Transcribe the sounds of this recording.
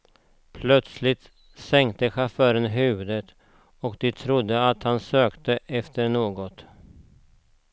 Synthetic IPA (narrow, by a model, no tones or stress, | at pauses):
pʰlœt̪slɪt̪ | sɛŋkt̪əɧafœːɾənɦʉ̟ːvɵd̪ət̪ | ɔkd̪ɪt̪ʰɾʊd̪ːəat̪hansøːkt̪əʔɛft̪əɾɳoːɡɔt̪